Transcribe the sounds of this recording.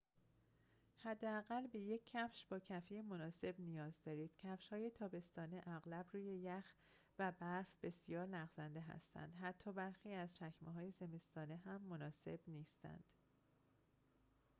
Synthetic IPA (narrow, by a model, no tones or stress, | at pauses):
hæd̪ːeæɣælbe̞je̞cʰːæfʃb̥ɒːcʰæfijemo̞nɒːse̞bnijɒːzd̪ɒːɾiːd̪̥cʰæfʃhɒːje̞t̪ʰɒːbe̞st̪ɒːneʔæɣlæbɾuːje̞jæx | væbæɾfbe̞sijɒːɾlæɣzænd̪e̞ɦæ̰st̪æ̰nd̪ɦæt̪ʰːɒːbæɾxiːæzt͡ʃʰæcmeɦɒːje̞ze̞me̞st̪ʰɒːneɦæmːo̞nɒːse̞b̥niːst̪ʰæ̰nd̪̥